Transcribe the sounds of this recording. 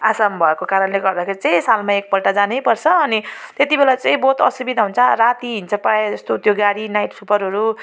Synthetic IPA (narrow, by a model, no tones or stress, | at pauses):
asambʱʌekokaɾʌnleɡʌrd̪akʰeɾit͡saĩsalmaek̚pʌlʈad͡zanejpʌrt͡sʰʌːnit̪et̪ibelat͡sãĩboɦt̪ʌ̰subid̪aɦunt͡sʰʌrat̪iɦint͡sʰʌpaed͡zʌst̪ot̪joɡaɽinajʈsupʌɾɦʌɾu